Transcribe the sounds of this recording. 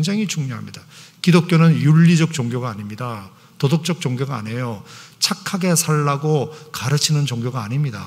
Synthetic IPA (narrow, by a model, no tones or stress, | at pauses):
ŋd͡ʑaŋɦit͡ɕuŋɲoɦa̰mɲidakidok͈jonɯnjuʎːid͡ʑʌk̚t͡ɕ͈oŋɡjoɡaːɲimɲida | todok̚t͡ɕ͈ʌk̚t͡ɕ͈oŋɡjoɡa̰ːne̞jot͡ɕʰakʰaɡe̞sʰaɭːaɡokaɾɯt͡ɕʰinɯnt͡ɕoŋɡjoɡaːɲimɲida̰